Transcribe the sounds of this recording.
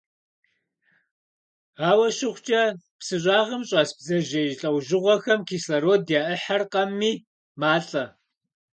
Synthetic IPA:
aːwɐɕɪχʷt͡ʃʼɐ | psɨɕʼaːʁɐmɕʼaːsbzɐʑɐjɬʼɐwʒɪʁʷɔxɐmkʰiːslɐɾoːdjaːʔəħarqɐmːiː | maːɬʼɐ

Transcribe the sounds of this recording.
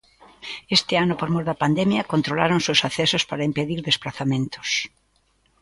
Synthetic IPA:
est̪ɪanʊpoɾmoɾðɐpand̪ɛmjɐkont̪ɾolaɾoŋsewsaθɛsospaɾɐimpeðiɾðesplaθamẽnt̪ʊ̥s

